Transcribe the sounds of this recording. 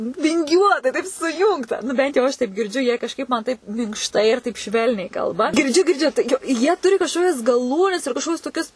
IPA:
ʋʲɪŋʲˈɡʲuɔtɐɪ tɐɪp sʊˈjuːŋktɐ nʊ ˈbʲɛnt jɛʊ ˈɐʃ tɐɪp ɡʲɪrʲˈd͡ʒʲʊ jiɛ kɐʃˈkɐɪp mɐn ˈtɐɪp mʲɪŋkʃˈtɐɪ ɪr ˈtɐɪp ˈʃʲʋʲɛlʲnʲɛɪ ˈkɐlˠbɐ ɡʲɪrʲˈd͡ʒʲʊ ɡʲɪrʲˈd͡ʒʲʊ tɐɪ jɛʊ ˈjiɛ ˈtʊrʲɪ kɐʃˈkoːkʲɛs ɡɐˈlˠuːnʲɛs ɪr kɐʃˈkoːkʲʊs toːˈkʲʊs

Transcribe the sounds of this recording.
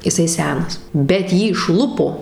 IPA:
ɪˈsɐɪ ˈsʲæːnɐs bʲɛt ˈjiː ɪʃˈlˠʊpoː

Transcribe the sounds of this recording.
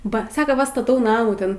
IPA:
ˈbɐ ˈsɑːkoː ˈʋɐ stɐˈtɐʊ ˈnɑːmuː ˈtʲɛn

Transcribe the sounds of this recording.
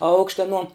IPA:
ˈɐʊkʃʲtʲɛ ɐˈnuɔ

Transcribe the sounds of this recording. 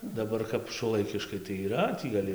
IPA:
dɐˈbɐr kɐp ʃuɔˈlˠɐɪkʲɪʃkɐɪ tɐɪ iːˈrɐ tʲiː ɡɐˈlʲɪ

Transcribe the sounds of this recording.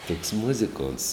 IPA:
toːks ˈmʊzʲɪkoːnts

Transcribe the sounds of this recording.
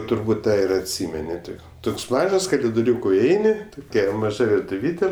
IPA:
tʊrˈbuːt ˈtɑː ɪr ɐtʲˈsʲiːmʲɛnʲɪ ˈtʲɪk ˈtoːks ˈmɑːʒɐs kɐlʲɪdoːˈrʲuːkoː ɪˈɛɪnʲɪ toːˈkʲɛ mɐˈʒɐ ʋʲɪrtʊˈʋʲiːtʲeː

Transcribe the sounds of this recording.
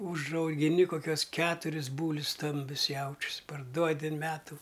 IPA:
ʊʒɐʊɡʲɪˈnʲɪ koːˈkʲuɔs ˈkʲæːtʊrʲɪs ˈbuːlʲʊs ˈstɐmʲbʲʊs ˈjɛʊt͡ʃʲʊs pɐrˈduɔdʲɪ ɐn ˈmʲæːtʊ

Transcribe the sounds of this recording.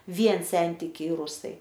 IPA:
ˈʋʲiɛn ˈsʲɛnʲtʲɪkʲɛɪ ˈrʊsɐɪ

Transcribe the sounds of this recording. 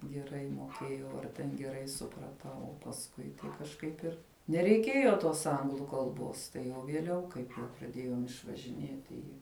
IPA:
ɡʲɛˈrɐɪ moːˈkʲeːjɛʊ ɐr tʲɛn ɡʲɛˈrɐɪ sʊprɐˈtɐʊ oː pɐsˈkʊɪ tɐɪ kɐʃˈkɐɪp ɪr nʲɛrʲɛɪˈkʲeːjoː toːs ˈɐŋɡlˠʊ kɐlˠˈboːs tɐɪ jɛʊ ʋʲiɛˈlʲɛʊ ˈkɐɪp jɛʊ prɐˈdʲeːjoːm ɪʃʋɐʒʲɪˈnʲiɛtʲɪ ˈɪ

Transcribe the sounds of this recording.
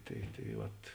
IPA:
tɐɪ tɐɪ ˈʋɐt

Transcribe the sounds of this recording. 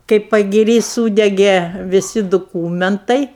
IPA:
kɐɪ pɐɡʲɪˈrʲiː ˈsuːdʲɛɡʲeː ʋʲɪˈsʲɪ dʊˈkuːmʲɛntɐɪ

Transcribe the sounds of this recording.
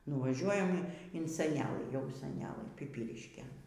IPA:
nʊʋɐˈʒʲuɔjɛm ɪn sʲɛˈnʲæːlˠɨ jɛʊ sʲɛˈnʲæːlˠɘ pʲɪˈpʲiːrʲɪʃʲkʲeːn

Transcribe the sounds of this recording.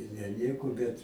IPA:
ɪr nʲɛ ˈnʲiɛkoː ˈbʲɛt

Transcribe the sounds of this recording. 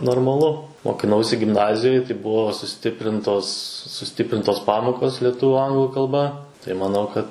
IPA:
noːrmɐˈlˠʊ moːkʲɪˈnɐʊsʲɪ ɡʲɪmˈnɑːzʲɪjoːj tɐɪ ˈbʊʋoː sʊˈsʲtʲɪpʲrʲɪntoːs sʊˈsʲtʲɪpʲrʲɪntoːs ˈpɑːmoːkoːs lʲiɛˈtʊʋʊ ˈɐŋɡlˠʊ kɐlˠˈbɐ tɐɪ mɐˈnɐʊ kɐt

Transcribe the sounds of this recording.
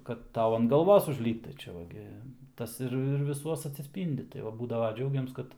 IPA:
kɐt ˈtɐʊ ɐn ɡɐlˠˈʋoːs ʊʒʲˈlʲiːpt tɐɪ ˈt͡ʃʲɛ ʋɐ ˈɡʲɪ ˈtɐs ɪr ɪr ʋʲɪˈsuɔs ɐtʲsʲɪsʲˈpʲiːnʲdʲɪ tɐɪ ˈʋɐ ˈbuːdɐʋɐ ˈd͡ʒʲɛʊɡʲɛms ˈkɐt

